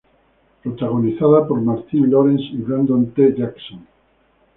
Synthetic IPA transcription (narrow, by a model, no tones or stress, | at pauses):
pɾot̪aɣoniθaðapoɾmaɾt̪inloɾensiβɾand̪õnt̪eʝaksõn